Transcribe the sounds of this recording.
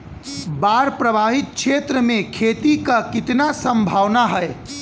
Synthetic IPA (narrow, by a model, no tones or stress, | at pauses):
baːɾpɾəbʱaːɦɪt̪̚kʃʰeːt̪ɾəmẽkʰeːt̪ikakɪt̪nasə̃mbʱaːʋnaɦəe